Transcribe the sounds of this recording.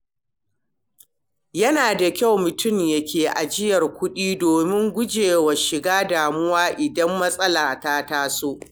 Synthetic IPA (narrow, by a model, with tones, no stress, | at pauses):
jɐ˦naː˨da˨kʲa˦˨wmʊ˨tʊ˦˨mjɐ˦kʲʰeː˨ʔa˨d͡ʒɪ˦jɐ˨rkʷʊ˦ɗiː˦doː˨mɪ˦ŋɡʷʊ˦d͡ʒeː˨wɐ˨ʃɪ˨ɡaː˦daː˨mʊ˦waː˦ʔɪ˨dɐ˦mːɐ˦sʼɐ˦laː˨taː˦taː˦soː˦ʔ